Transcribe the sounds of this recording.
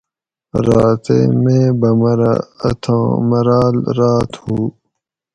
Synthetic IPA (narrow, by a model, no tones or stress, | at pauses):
ɾaːt̪ḛmẽːbɐmɐɾa̰ɐ̰t̪ʰõːmɐɾaːlɾaːt̪huː